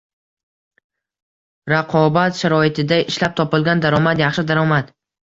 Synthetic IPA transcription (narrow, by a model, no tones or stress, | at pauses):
ɾaqʰɒbat̪ʃaɾɒɪt̪ʰɪd̪aɪʃlap̚t̪ʰɒpɪlˠɡʲand̪aɾɒmat̪jɑχʃɪd̪aɾɒmat̪